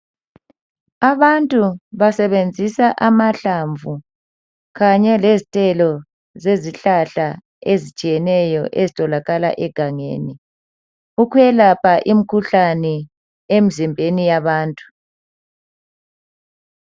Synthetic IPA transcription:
aβantʼuβasɛβend͡zʱisaʔamaɬaɱvu | ɣaɲɛlezitʼɛlɔ | zeziɬaɬa | ezit͡ʃʼijɛnɛjɔʔezitʼɔlaɣala̰ʔɛɡ̥ʱaŋḛni | ukʰujɛlapʰaʔim̩kʰuɬanɛ | em̩zimbʱenijaβaːntʼu̥

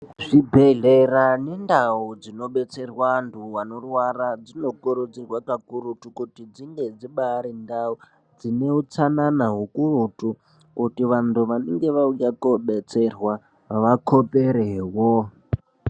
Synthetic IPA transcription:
ʐibʱeɮerane̞ndaud͡zino̞ɓe̞t͡se̞rwantʰuwanorwarad͡zino̞koɾod͡zirwakakuɾutukutid͡ziŋɡe̞d͡ziɓaɾindau | d͡zine̞ut͡sananaɦukurutu | kutiʋantʰuʋaneŋɡe̞ʋaujakoɓe̞t͡se̞rwa | ʋakʰo̞peɾewo

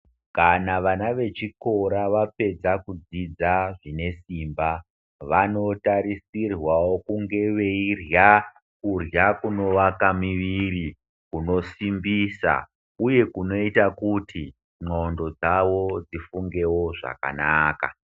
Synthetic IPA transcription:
kanaʋanaʋe̞t͡ʃiko̞ɾaʋape̞d͡zakud͡zid͡zaʐine̞siːmba | ʋano̞taɾisirwawo̞kuŋɡe̞ʋe̞irja | kurjakuno̞ʋakamiʋiri | kuno̞simbisa̰ | uje̞kuno̞itakutʰi | ŋ͡ǃondo̞d͡zaʋo̞d͡zifuŋɡe̞wo̞ʐa̰ka̰naːka̰

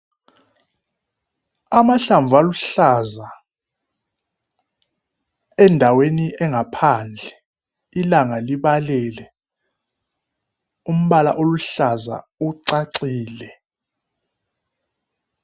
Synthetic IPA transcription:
amaɬaɱvʱualuɬaza | ɛndʱaweniɛŋɡʱapʰand͡ɮʱɛ | ilaŋaliɓalɛlɛ | um̩ɓala̰ʔoluɬaza̰ | uǀaǀiːlɛ

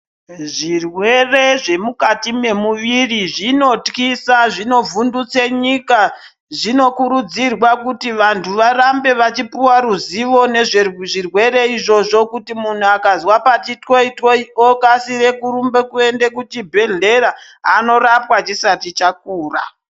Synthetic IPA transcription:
ʐirwe̞re̞ʐe̞mukatime̞muʋiriʐino̞tkisaʐino̞vundut͡seɲika | ʐino̞kuɾud͡zirwakutiʋantʰuʋaɾambe̞ʋat͡ʃipiwaɾuziʋo̞ne̞ʐeʐirwe̞ɾe̞iʐo̞ʐo̞kutimun̤uakazwapat͡ʃitkoitkoiokasiɾe̞kurumbe̞kue̞nde̞kutibʱe̞ɮe̞ɾa | ɦano̞ɾapwat͡ʃisatit͡ʃak̚uːra̰

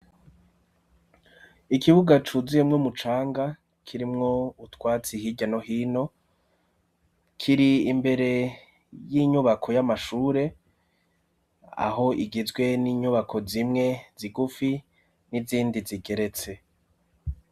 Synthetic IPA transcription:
ikiβuɡat͡ʃuziemŋomut͡ʃaːŋɡa | kʰiɾimŋo̞utwaːt͡sihiɟano̞ɦiːno̞ | kʰiɾiːmbe̞ɾe̞ | jiɲuβakʰo̞jamaʃuːɾe̞ | a̰ho̞ʔiɡizɡwe̞niːɲuβakʰo̞zimŋe̞ziɡufi | niziːndiziɡe̞ɾe̞t͡se̞

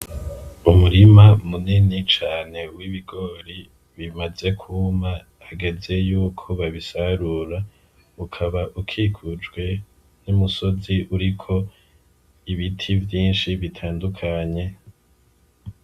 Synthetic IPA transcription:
umuɾimamuninit͡ʃaːne̞wiβiɡo̞ɾi | βimaze̞kʰuma | haɡe̞ze̞juːkʰoβaβisaɾuɾa | ukʰaβaʔukʰikʰud͡ʒɡwe̞ | numuso̞ziʔuɾikʰo̞ | iβitʰivjiːnʃiβitʰaːndukʰaɲe̞

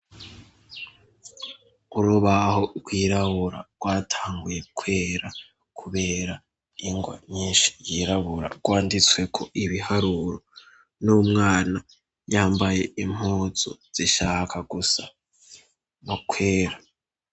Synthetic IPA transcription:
uɾuβaho̞bɡwiːɾaβuɾa̰ɡ̥waːtʰaːŋɡuje̞kʰwe̞ːɾa | kʰuβe̞ːɾa | iŋɡwa̰ɲiːnʃi̥jiɾaβuɾa̰ɡ̥waːndit͡swe̞kʰo̞ʔiβihaɾuɾo̞ | numŋaːna | jaːmbaje̞im̥hoːzo̰z̥iʃaːkʰaɡusa | nokʰweːɾa

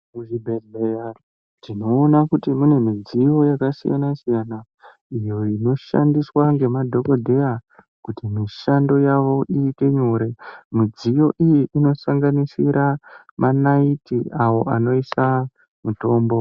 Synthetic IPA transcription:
uʐibʱerbeja | tino̞ːnakutimune̞mid͡zijo̞jakasija̰nasijana | ijo̞ino̞ʃa̰ndiswaŋɡe̞madʱo̞kodʱe̞ja | kutimiʃando̞jaʋo̞ʔiːte̞ɲo̞ːɾe̞mid͡zijo̞ʔijiʔino̞saŋɡanisiɾa | manaitiʔawo̞ʔano̞isa | muto̞ːmbo̞

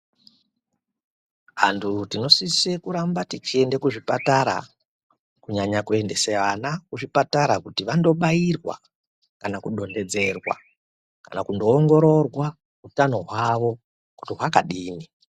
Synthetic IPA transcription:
ɦa̰ntʰutino̞sisekuɾambatit͡ʃie̞nde̞kuʐipataɾa̰ | kuɲaɲakue̞nde̞seʋanakuʐipataɾakutiʋando̞ɓairwa̰ | kanakuɗo̞nde̞d͡ze̞rwa̰ | ka̰nakundo̞ːŋɡo̞ɾo̞rwa | utano̞ɦwaʋo̞ | kutiɦwakaɗiːni

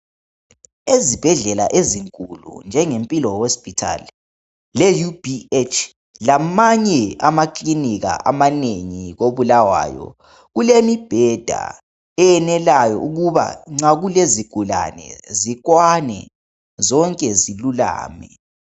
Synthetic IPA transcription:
ezib̥ʱɛɮɛla̰ʔeziŋkʼulṵnd͡ʒʱɛŋempʼilɔhospʼitʰa̰l | lejub̥iet͡ʃʰʼ | lamaɲɛamakʼliniɣa̰ʔamaneŋiɣoβulawa̰jɔ̰ | ɣulemib̥ʱɛd̥ʱa̰ | ɛɛnɛlajɔ̰ʔuɣuβa̰ŋ͡ǀaɣuleziɡ̥ʱula̰nɛ̰zikwanɛ̰ | zɔŋkʼɛzilula̰ːmɛ

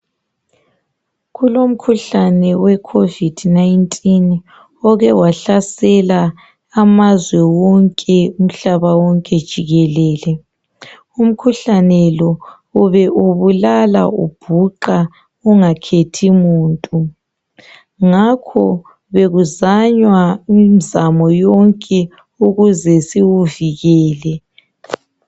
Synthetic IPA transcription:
ɣulom̩kʰuɬanɛwɛkʰovid̥najintʼin | ɔɣɛwaɬasɛlaː | mazwɛwɔŋkʼɛum̩ɬaβawɔŋkʼɛd̥ʒ̥ʱiɣɛlɛːlɛ | um̩kʰuɬanɛlɔ | uβɛʔuβulala̰ṵb̥ʱuǃa | uŋakʰetʰimuːntʼu | ŋakʰɔ | βeɣuzaɲwaimizamɔjɔŋkʼɛ | uɣuzɛsiwuviɣɛːlɛ

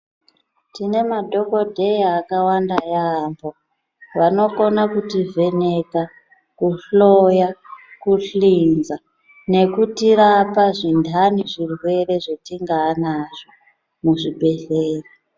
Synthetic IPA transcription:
tine̞madʱo̞ko̞dʱe̞jaːkawandajaːmbo̞ | ʋano̞ko̞nakutivʱe̞ne̞ka | kuɬo̞jakuɬinza | ne̞kutiɾapaʐindʱaniʐirwe̞ɾe̞ʐetiŋɡaːnaʐ̥o | muʐibe̞ɬeːri

